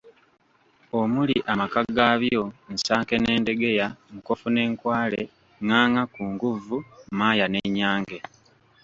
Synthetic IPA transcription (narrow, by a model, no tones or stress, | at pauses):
o̞muliʔamakaɡaβjo̞n̩saːŋke̞ne̞ːnde̞ɡe̞jaŋko̞fune̞ːŋkwaːle | ŋaːŋakuːŋɡuvumaːjaneɲaːŋɡe̞